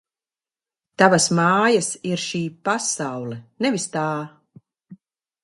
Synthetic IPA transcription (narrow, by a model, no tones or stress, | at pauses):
t̪avasmaːjasiɾʃiːpasawlɛnɛvist̪aː